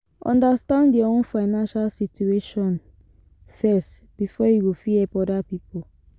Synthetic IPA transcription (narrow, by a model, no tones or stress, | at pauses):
ɔ̰̃ndastãnddiõnfaɪnãnʃalsitjueʃɔ̃n | fɛst | b̥ifɔjuɡofiɛpɔdapipol